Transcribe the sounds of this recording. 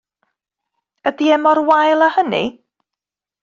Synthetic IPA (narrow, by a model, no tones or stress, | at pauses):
ədiɛmɔrwajlˠahənḭ